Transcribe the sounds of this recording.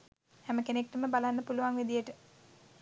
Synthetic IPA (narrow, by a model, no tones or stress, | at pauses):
hɛməkenek̚ʈəməbalanːəpuluʋaŋʋid̪ijəʈə